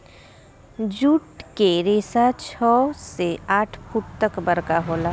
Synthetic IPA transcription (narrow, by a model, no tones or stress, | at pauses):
d͡ʒuʈkeɾeːsat͡ʃʰɔːseaːʈʰfʰuʈ̚t̪əkbɐɾkaɦoːlaː